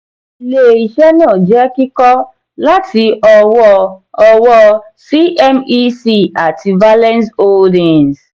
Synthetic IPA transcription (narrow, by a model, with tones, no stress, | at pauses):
le˨i˨ʃɛ˦nãː˦˨d͡ʒɛ˦ki˦kɔ˦ | la˦tʰi˧˦ɔ˧wɔ˧ɔ˧wɔ˧ | si˦ʔɛ˦mi˦si˦˨a˨tʰi˧va˦lɛ̃˦nso˦ldɛ̃˨ns